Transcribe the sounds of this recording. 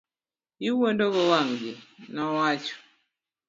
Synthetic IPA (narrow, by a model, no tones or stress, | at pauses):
iwondoɡɔwaŋɡɪnɔwat͡ʃɔ̥